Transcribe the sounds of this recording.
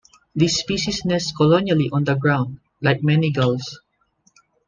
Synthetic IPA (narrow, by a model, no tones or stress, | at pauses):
d̪isːpiʃisnɛsskɔlɔnjaliʔɔ̃nd̪əɡɹãw̃nd̪̚ | lajk̚mɛniɡəls